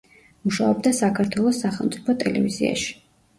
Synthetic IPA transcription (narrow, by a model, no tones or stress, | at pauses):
muʃaɔb̚d̪asakʰaɾt̪ʰwɛlˠɔsːaχɛlˠmt̪sʼi̥pʰɔt̪ʼɛlɛvizia̰ʃi̥